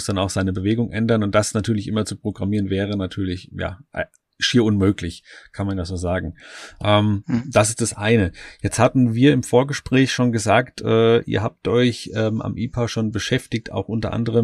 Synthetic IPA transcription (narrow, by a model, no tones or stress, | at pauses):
sd̥anaʊxz̥aɪnəbəveːɡʊŋʔɛndɐnʊnt̚d̥asnatʰyːɐlɪçʔɪmɐt͡supʁ̥oɡʁamiːʁənvɛːʁ̞ənatʰyːɐlɪçja̰ːʔ | ʃiːɐʊnmøːklɪçkʰanmandaːz̥oːzaːɡŋ̩ʔɛːmd̥as̬ɪ̥std̥asʔaɪnəjɛt͡sthaːbm̩viːɐɪmfoːɐɡəʃpʁ̥ɛːçʃoːnɡəzaːktʰʔɛːʔḭːɐɦaːp̚tʔɔʏçʔɛːma̰mʔiːpʰaʃoːnbəʃɛftɪk̚ta̰ʊxʔʊntɐ̰ʔa̰ndəʁ̞əm